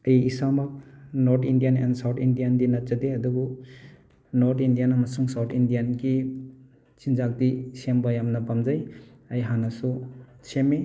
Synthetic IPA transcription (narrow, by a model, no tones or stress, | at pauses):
ɐjisamɔk̚nɔɾtʰindijanḛnsawtʰindijandinat͡ʃadeɐduɡu | nɔɾtʰindijanamɐsuŋsawtʰindijanɡi | t͡ʃind͡ʒak̚disembajamnɐpamd͡ʒaj | ɐjɦanasusʰeme